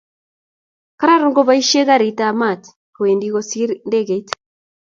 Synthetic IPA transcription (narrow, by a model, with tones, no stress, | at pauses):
ka˦ɾa˦ɾu˦ŋɡɔ˦βa˦i˦ʃe˦ɣa˦ɾi˨tama˨ti̥ | ke˨ndi˦ɣɔsi˦ɾndɛ˦ɣe˨i˦t